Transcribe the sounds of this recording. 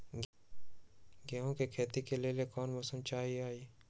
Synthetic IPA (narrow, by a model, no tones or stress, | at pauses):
ɡeɦõkekʰeːt̪ikeliliekɔːnmʊsəmt͡ʃaːɦiaːi